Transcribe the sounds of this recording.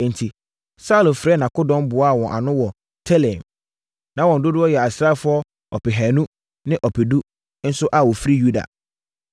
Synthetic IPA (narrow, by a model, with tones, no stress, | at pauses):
n̩˨tʰi˨ | sa˦lʊ˨fɾɛ˦nã˨kʊ˦dɔ̃˦m˦bʊ˨˦a˦˨wɔ̃˨ʔa̰˨nʊ̃˦wɔ˨ | tʰɛ˦lɛ̃˨m | nã˦wɔ̃˨n̩˨dʊ˦dʊ˦ɔ˦jɛ˨a˨sɾa˦fʊ˨˦ɔ˦ | ɔ̰˨pɪ˨ɦæ̃˨nũ˦ | nɪ̃˦ʔɔ˨pʰɪ˨du˦ | n̩˦sʊ˦ʔa˨wɔ˨fɾi˦ju˦da̰˨